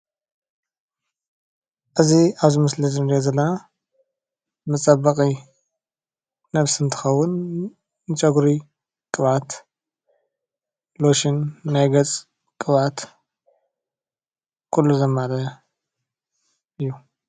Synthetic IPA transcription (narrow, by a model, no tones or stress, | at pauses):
ʔɨziaβzimɐslizɨmd̪jezɐlːɐna | mɨt͡sʼɐbɐkʼi | nɐβsɨnt̪ʰɨ̥xɐwːʊn | nɨt͡ʃʼɐɡɾi | kʼɨβat̪ | loʃɪnːajɡɐt͡sʼ | kʼɨβat̪ | kʰulːuzɐmːaɾɐ | ʔɨjːu